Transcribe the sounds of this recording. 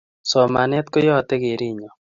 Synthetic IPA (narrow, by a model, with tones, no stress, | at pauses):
sɔ˨ma˨nɛ˦t̪̚ko˦jɔ˦t̪ɛ˦ɡe˨ɾi˦ɲɔ˨